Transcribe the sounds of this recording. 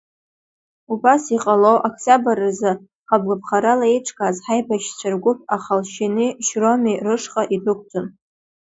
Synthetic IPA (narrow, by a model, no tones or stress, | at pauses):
ubasiqʼalowʔakʰsabaɾazɨ | χab̚ɡʷapʰχaɾalaiʈ͡ʂʰʼkʼazħajbaʃt͡ɕʷʰarɡʷʊpʰaχalʃiniʃromirɨʂχʼaʔibɨkʷʰʼtʰɨm